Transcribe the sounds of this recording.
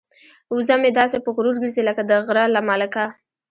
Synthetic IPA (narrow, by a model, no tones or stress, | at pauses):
uzamed̪ɑsepəɣɾuɾɡəɾziləkad̪əɣɾɑlamɑlaka